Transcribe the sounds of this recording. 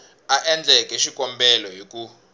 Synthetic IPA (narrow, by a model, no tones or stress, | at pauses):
aʔɛnd͡ɮʱɛkʼɛʃikʼɔmbɛlɔɦiku